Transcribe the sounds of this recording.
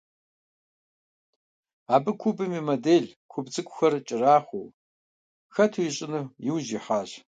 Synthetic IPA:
aːbɨkʷʰubɨmimɐdeːɮkʷʰʊbd͡zɨkʷʼʊxɐrt͡ʃʼɪraːχʷoː | xɐtʰujiɕʼɪnɨjɪwʑiħaːʑ

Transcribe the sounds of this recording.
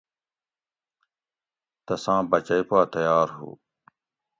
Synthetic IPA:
t̪ɐsãːbɐt͡ɕɐipaːt̪ɐjaːɾɦṵː

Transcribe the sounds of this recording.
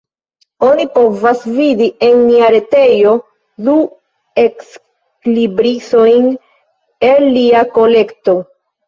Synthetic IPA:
o̞nipo̞vasvidie̞nliaɾe̞te̞jo̞ | du | e̞ks | klibɾiso̞jn | e̞lːiako̞le̞kto̞

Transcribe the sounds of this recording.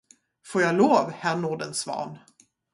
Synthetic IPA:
foːjɑloːvhænuːɖənsvɑ̰ːn

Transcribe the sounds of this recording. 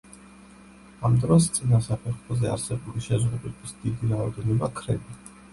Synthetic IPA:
amd̪ɾɔs̬t̪sʼinasapʰɛɾχɔzɛa̰ɾsɛbuliʃɛzʁud̪ɛbisd̪id̪iɾaɔd̪ɛnɔbakʰɾɛbi

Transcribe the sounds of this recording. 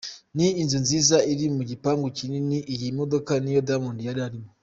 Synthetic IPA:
niinzɨnzizaiɾimuɡipaŋɡukininiʔiɡimudokanijodamondijadaɾimu

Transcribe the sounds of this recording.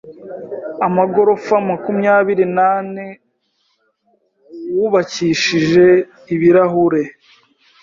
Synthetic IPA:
amaɡo̞ɾo̞famakumɲaːβiɾinane | wuβaciʃiʒe̞ | iβiɾaɦuɾe̞

